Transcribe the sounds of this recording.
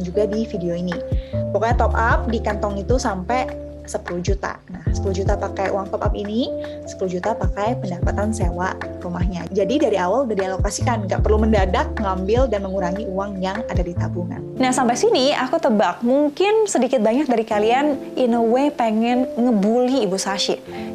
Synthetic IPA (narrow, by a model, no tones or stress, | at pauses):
nd͡ʒuɡadifideoinipokat̪ɔpap̚dikant̪ɔŋit̪usampɛ | səpuluhd͡ʒut̪a̰nahsə̥puluhd͡ʒut̪apakajʔṵwaŋt̪ɔpa̰pini | sə̥puluhd͡ʒut̪apakajpəndapat̪ansewaʔrumahɲad͡ʒadidaɾiawaldadialokasikanŋɡa̰ʔpərluməndadak̚ŋambɪldanməŋuɾaŋiuwaŋjaŋadadit̪abuŋa̰nnahsampasiniakut̪əbak̚muŋkɪnsədikɪt̪̚baɲak̚daɾikalianʔinowepəŋɛnŋəbuliːbusaʃɪʔ